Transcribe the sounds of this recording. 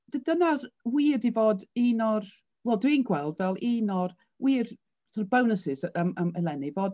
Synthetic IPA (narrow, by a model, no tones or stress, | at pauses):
d̥ədənarwiːdivoːdiːnɔr | wɛlˠdwinɡwɛlˠdvɛlˠiːnɔr | wiːr̥ | ərbəwnəsɪzəməməlˠɛnivoːd